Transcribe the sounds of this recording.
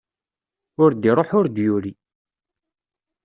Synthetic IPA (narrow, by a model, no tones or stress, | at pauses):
ʊɾd̪iɾˤoħʊɾd̪juɾi